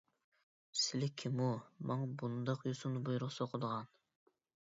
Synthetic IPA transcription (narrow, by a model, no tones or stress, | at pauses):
sɪlɪkʲʰimumɑŋbund̪ɑqjusunɨbujuɾʊʁsoqʰʊd̪əʁɑn